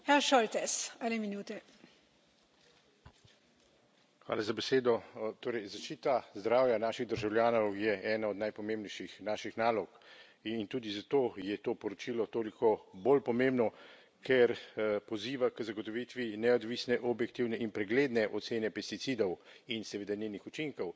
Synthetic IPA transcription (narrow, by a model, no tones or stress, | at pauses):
xaʃɔlt̪ɛsɛnɛminuːt̪ɛ | xʋa̰ːlazabɛseːd̪ɔt̪oːɾɛjzaʃt͡ʃiːt̪azd̪ɾaːwjanaːʃiɣd̪əɾʒawlʲjaːnɔwjɛʔɛːnaɔd̪najpɔmeːmbnɛjʃixnaːʃixnaːlɔk | int̪uːd̪izat̪oːjɛt̪oːpɔɾɔt͡ʃilɔt̪oːlikɔbolpɔmẽmbnɔ | kʰɛɾpɔziːʋakəzaɡɔt̪ɔʋit̪ʋinɛɔd̪ʋiːsnɛʔɔbjɛk̚t̪iwnɛʔinpɾɛɡleːd̪nɛʔɔt̪seːnɛpɛst̪itsid̪ɔwinsɛʋeːd̪anenixut͡ʃiŋkɔw